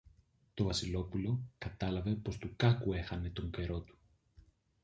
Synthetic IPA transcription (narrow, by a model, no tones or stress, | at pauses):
t̪o̞vɐsilo̞pulo̞kɐt̪ɐlɐve̞po̞st̪ukɐkue̞xɐne̞t̪o̞ŋɟe̞ɾo̞t̪u̥